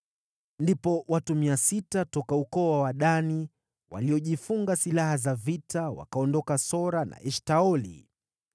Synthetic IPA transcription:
ndipɔwatumiasitatɔkaukɔwawaɗani | wa̰liɔʄifuŋɡasilahazavitawa̰kaɔndɔkasɔɾanʔa̰ʔɛʃtaɔlḭ

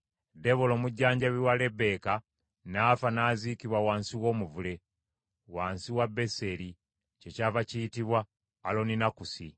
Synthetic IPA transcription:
de̞βolo̞ːmuɟːaːɲɟaβiwale̞be̞ka | naːfanaːzikiβwawaːnsiwo̞ːmuvule̞ | waːnsiwabːe̞se̞ɾi | ce̞caːvacijitiβwaː | lo̞ninakusḭ

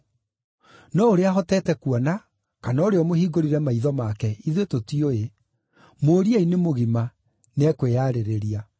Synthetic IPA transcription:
nɔoɾeaɦɔtɛːtɛkuɔna | kanaoɾeɔmohiːɡoɾiɾɛmaiðɔmakɛiðwetotioe | moːɾiainemoɣima | nɛkweaːɾeɾeɾia

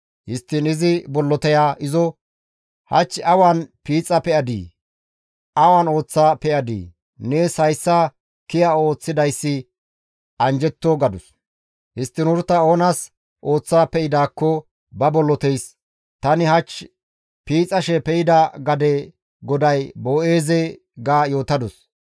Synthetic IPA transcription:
hɪst̪ːɪnɪzɪbɔlːɔt̪ɛjaːɪzɔ | hɐ̰t͡ʃːɐwanpiːt͡sʼːɐpɛɐd̪ḭː | ʔɐwɐno̞ːt͡sːaːpɛʔɐd̪ḭː | nesɐjsːɐ | kɪjɐo̞ːt͡sːɪd̪ɐjsːɪ | ɐnd͡ʒɛt̪ːoɡɐd̪ʊs | hɪst̪ːɪnʊɾt̪ːɐo̞ːnɐs | ʔo̞ːt͡sːaːpɛʔɪd̪aːkːɔ | bɐbɔlːɔt̪ɛjs | t̪ɐnɪhɐt͡ʃː | piːt͡sʼɐʃɛpɛɪd̪ɐɡɐd̪ɛ | ɡɔd̪ɐjbo̞ːʔe̞ːzɛ | ɡaːjo̞ːt̪ɐd̪ɔs

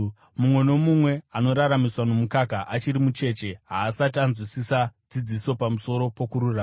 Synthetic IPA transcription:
mumwe̞no̞mumwe̞ano̞ɾaɾamiswano̞mukakaʔat͡ʃiɾimut͡ʃe̞t͡ʃe̞ɦaːsatanzwisisad͡zid͡ziso̞pamuso̞ɾo̞po̞kuɾuraː

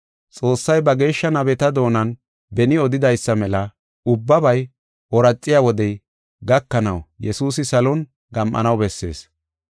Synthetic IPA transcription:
t͡sʼo̞ːsːɐjbɐɡe̞ːʃːɐnɐbɛt̪ɐd̪o̞ːnɐn | bɛnɪɔd̪ɪd̪ɐjsːɐmɛlɐ | ʊbːɐbɐj | wɔɾɐt͡sʼːɪjawɔd̪ɛj | ɡɐkːɐnɐwjɛsuːsɪsɐlɔn | ɡɐmʔɐ̰nɐwbɛsːe̞̰ːs

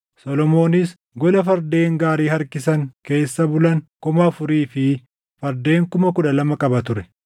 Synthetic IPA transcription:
sɔlɔmo̞ːnɪs | ɡɔlɐfɐɾd̪e̞ːŋɡaːɾiːhɐɾkɪsɐŋke̞ːsːɐbʊlɐŋkʊmɐfʊɾiːfɪ | fɐɾd̪e̞ːŋkʊmɐkʊᶑɐlɐmɐkʼɐbɐt̪ʊɾɛ

